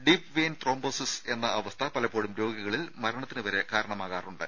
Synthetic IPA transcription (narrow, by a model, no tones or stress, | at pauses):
ɖipʋeːnt̪roːmboːsise̞nːɐʔɐʋɐst̪ʰɐpɐlɐpːoːɽumɾo̞ːɡɐɣɐɭilmɐɾɐɳɐt̪ːinɨʋɐɾe̞kaːɾɐɳɐmaːɣaːruɳɖɨ